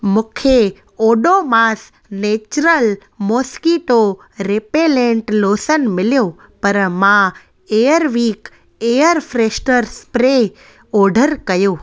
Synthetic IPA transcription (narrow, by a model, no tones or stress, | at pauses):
mũkʰe | oɖomaːs | neːt͡ʃɾəl | moːskiʈo | ɾepelẽɳʈloːsənmɪljo | pɐɾmã | eːjəɾʋiːk | ejəɾfɾeːsʈəɾspɾe | ɔːɖʱəɾkɐjoː